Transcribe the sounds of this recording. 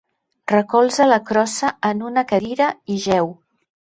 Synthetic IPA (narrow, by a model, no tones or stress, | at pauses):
rəkɔlˠzələkɾɔsəːnunəkəðiɾəiʒɛw